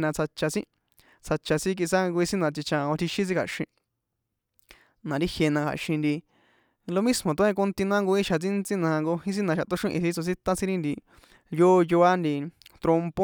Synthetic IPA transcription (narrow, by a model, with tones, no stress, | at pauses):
nã˧t͡sʰa˧t͡ʃa˧sĩ˦ | t͡sʰa˧t͡ʃa˧sĩ˦k̬i˧sa˦ŋɡo˧i˧si˦nã˧t̪i˧t͡ʃã˧˨õ˧t̪ʰi˧ʃĩ˦s̬ĩ˦kʰa̰˨ʃĩ˧ | nã˨ɾi˦hje˧nã˧kʰa̰˨ʃĩ˧nd̪i˧ | lo˧mĩ˦smõ˨t̪õ˧˦ẽ˧ko˧nt̪i˧nã˦ŋɡo˧i˦ʃa˨t͡sĩ˦nt͡sĩ˦nã˧a˧ŋɡo˧hĩ˦s̬i˦nã˧ʃa˨t̪o˦ʃũ˦˧ʔĩ˧θi˧t͡so˧si˦t̪ã˦sĩ˦ɾi˦nd̪i˧˨ | joː˦˧jo˧a˦nd̪i˧t̪ɾo˧mpo˦